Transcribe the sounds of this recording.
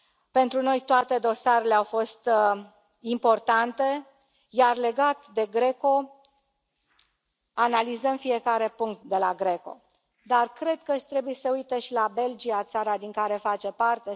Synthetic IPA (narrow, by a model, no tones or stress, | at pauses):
pe̞nt̪ɾuno̞jt̪oat̪e̞d̪o̞saɾe̞le̞awfo̞st̪ | impo̞rt̪ant̪e̞ | jarle̞ɡat̪d̪e̞ɡɾe̞ko̞ | analizəmfije̞kaɾe̞puŋk̚t̪̚d̪e̞laɡɾe̞ko̞̰ | d̪arkɾe̞d̪̚kət̪ɾe̞bujesəujt̪eʃilabe̞ld͡ʒiat̪saɾad̪iŋkaɾe̞fat͡ʃe̞part̪e̞